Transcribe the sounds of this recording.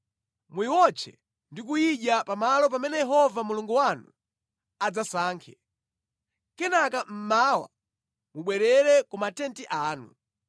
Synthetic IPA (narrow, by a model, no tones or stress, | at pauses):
mwiwɔt͡ʃʰɛ̰ | ndikujiʄapamalɔp̬amɛnɛjɛɦɔvamuluŋɡuwanu | ad͡zasaːŋkʰɛ | kɛnakam̩mawa̰ | muɓwɛɾɛɾɛkumatɛntiʔaːnṵ